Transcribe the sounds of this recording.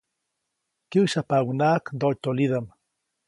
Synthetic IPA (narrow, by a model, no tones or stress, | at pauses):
kiwʃapawnaːkd̪ot̪oliðam